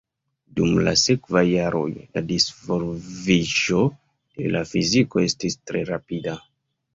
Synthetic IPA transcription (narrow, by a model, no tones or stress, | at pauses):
dumlase̞kvajːaɾo̞̰jladisfo̞lviʒo̞ | dḛlafizikoe̞stistɾe̞ɾapida